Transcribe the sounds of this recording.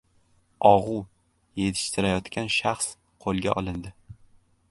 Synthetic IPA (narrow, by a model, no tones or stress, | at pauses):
ɒʁʊ | je̞t̪ʰɪ̥ʃt̪ʰɪɾajɒt̪kʲʰanʃaχs | qʰolˠɡʲa̰ʔɒlˠɪnd̪ɪ